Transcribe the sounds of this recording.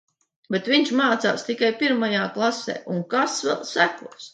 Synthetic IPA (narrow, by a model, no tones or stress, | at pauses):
bet̪viɲʲʃmaːt̪sa̰ːst̪ikajpiɾmajaːklˠasḛːʔuŋkasvɛ̰lˠsækuɔs